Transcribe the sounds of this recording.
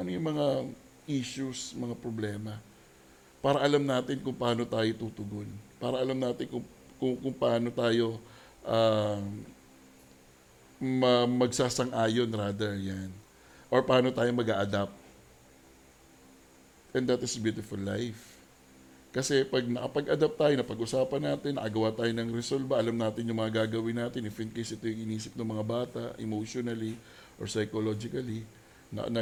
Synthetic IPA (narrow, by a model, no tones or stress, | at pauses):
ʔɐnojʊŋmɐŋa | ʔiʃusmɐŋapɾoblɛːmɐ | paːɾɐʔɐlamnaːt̪ɪnkʊŋpɐʔaːnot̪aːjot̪uːt̪ʊɡonpaːɾɐʔɐlɐmnaːt̪ɪnkʊŋ | kʊŋkʊŋpɐʔaːno̞t̪aːjo̞ | ʔaː | mɐmɐɡsaːsɐŋʔaːjo̞nɾaːd̪ɛɹjan | ʔoɹpɐaːnot̪aːjo̞mɐɡaːʔɐd̪ap̚ | ʔɛnd̪at̪ɪsbjut̪ɪfʊlːajf | kɐsɛpɐɡ̚nɐkɐpɐɡʔɐd̪ap̚t̪aːjonɐpɐɡʔʊsaːpɐnːaːt̪ɪnːɐ̰kɐɡɐwaːt̪aːjonɐŋɾɛsolbɐʔɐlɐmnaːt̪ɪnjʊŋmɐŋɐɡaːɡɐwɪnaːt̪ɪnɪfɪnkejsɪt̪ojʊŋɪniːsɪp̚nʊŋmɐŋabaːt̪ɐʔʔɛ̰mowʃonɐli | ʔoɹsɐjkolod͡ʒɪkɐli | nɐ̰nɐ